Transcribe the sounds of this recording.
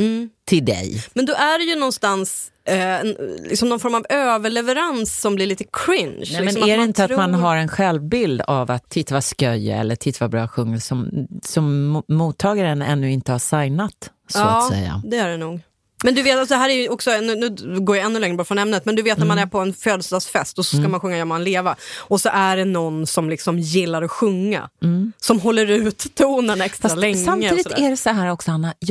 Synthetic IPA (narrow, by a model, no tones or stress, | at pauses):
m̩t̪ʰɪld̪ɛ̰jmɛnd̪ɔʔæɖɛjɵnɔnst̪ans | nlɪ̰ksɔmnɔnfɔɾmavøːvəɭɛvɛɾansːɔmblɪɾɭiːt̪əkʰɾɪnʃlɪmɛsɔmmaæɾɛɪnt̪əat̪manɦaɾɛnɧɛlvbɪld̪avat̪ʰːɪt̪ːvaskœj̰ɛ̰lːəʈʰɪt̪ːvabɾɑːɧɵŋːəlsɔmsɔmːuːt̪ʰːɑːɡaɾənɛ̰nːɵɪnt̪əhaʂajnat̪ | sːɛ̰jːa̰d̪ɛæɖɛnuːɡ | mɛnd̪ɵveːt̪alsɔd̪ɛɦæːɾæɾjɵɔksɔnʉːnʉ̟ːɡoːɾjaɛnːɵlɛŋːɾəbɑɾfɾɔnɛmnət̪mɛnd̪ɵveːt̪næɾmanæɾpʰɔɛnføːd̪əsd̪ɑːɡsfɛst̪ɔsɔskamanɧɵŋːajɔmɛnleːvaɔsɔʔæɖɛnɔnsɔmlɪksɔmjɪlːaɾɔɧɵŋːa̰sɔmɦɔlːəɾʉ̟ːt̪ʰːuːnənɛkst̪ɾalɛŋsːamːəid̪ɪɔt̪ɛdɛsɔɦæːɾɔksɔanːa